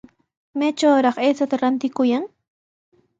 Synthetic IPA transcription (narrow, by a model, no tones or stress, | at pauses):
met͡ʃawɾɑχesat̪aɾant̪ɪkʊjaŋ